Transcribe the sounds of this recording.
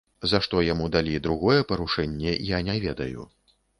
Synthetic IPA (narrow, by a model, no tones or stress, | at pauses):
zaʂt̪ɔjamud̪alʲid̪ɾuɣɔjɛpɐɾuʂɛnʲːɛjanʲɛvʲɛd̪ɐ̰jṵ